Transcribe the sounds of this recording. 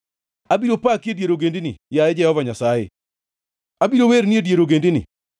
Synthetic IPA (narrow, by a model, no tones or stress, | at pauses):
abiɾopakedjeɾoɡendinɪ̰jaɛd͡ʒɛhɔvaɲasajɪ̰ | abiɾoweɾnɪedjeɾoɡendinɪ̰